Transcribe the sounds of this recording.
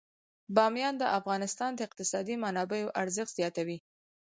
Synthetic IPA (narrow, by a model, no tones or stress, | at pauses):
bɑmjɑnd̪əʔafɣɑnɪst̪ɑnd̪əɪq̚t̪ɪsɑd̪imanɑbejoʔaɾzəxz̥jɑt̪awi